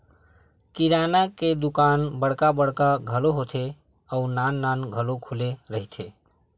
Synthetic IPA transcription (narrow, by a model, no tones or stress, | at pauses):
kiɾanaked̪ukaːnbəɽkabəɽkaɡʱəloɦot̪ʰe | əunanːanɡʱəlokʰuleɾəɦit̪ʰe